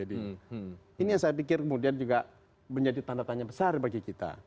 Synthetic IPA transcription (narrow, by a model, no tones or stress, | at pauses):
adi | inijaŋsajat̪̚pikɪrkəmudiand͡ʒuɡa | məɲd͡ʒadɪt̪ːandat̪anɲabəsarbaɡikit̪a̰